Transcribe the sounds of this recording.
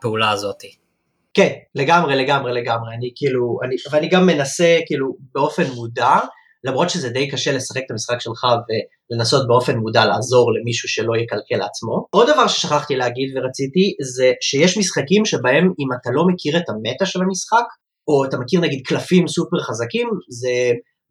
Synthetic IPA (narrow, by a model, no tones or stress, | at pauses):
peulaːzo̞t̪i | ke̞nle̞ɡamʁele̞ɡamʁele̞ɡamʁeanikiːluaniveaniɡamːe̞nase̞kiːlube̞o̞fe̞nmuda | lamʁo̞t̪ʃezed̪e̞jkaʃe̞lesḁχek̚et̪amisχakʃe̞lχave̞ | le̞naso̞t̚beo̞fe̞nmudalaːzo̞ʁle̞miʃuʃe̞lo̞jekalke̞lat͡smo̞ʔo̞d̪ːavaʁʃe̞̥ʃaχaχt̪ileaɡid̪veʁat͡sit̪ize̞ʃejeʃmisχakimʃe̞bae̞mimatalo̞mekʰiʁetame̞taʃe̞lamisχak | o̞atamekiʁnaɡid̪̚klafimsupeʁχazakimze